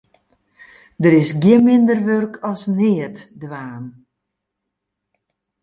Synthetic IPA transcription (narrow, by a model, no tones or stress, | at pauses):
dəɾɪsɡjɪmɪndərʋørkʰɔsnɪətdʋaːn